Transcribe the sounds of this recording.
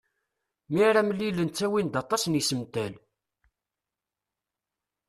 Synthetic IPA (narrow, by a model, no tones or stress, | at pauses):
miɾæmlːilːənt͡sːæwind̪ɑt̪ˤɑsnisəmt̪æl